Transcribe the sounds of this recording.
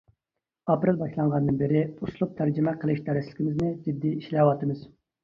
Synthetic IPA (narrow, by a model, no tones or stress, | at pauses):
ɑpɾɪlˠbɑʃlˠɑɴʁɑnd̪ɨnbɪɾɪuslˠup̚t̪ʰæɾd͡ʒɪmɛqʰəlˠɪʃd̪ɛɾɪslɪ̥kʲʰimɪznɪd͡ʒid̪ːiiʃlɛwɑt̪ɨmɨz